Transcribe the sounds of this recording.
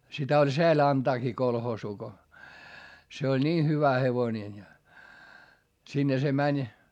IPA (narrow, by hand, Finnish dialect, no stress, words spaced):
sitæ olʲ seæl ɑntɑːkiː kolhoːsuː ko se olʲ niː hyʋæ heʋoĭnen jɑ sinːe se mænʲ